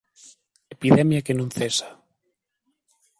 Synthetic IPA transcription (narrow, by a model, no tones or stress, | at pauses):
epiðɛmjakenõŋθesḁ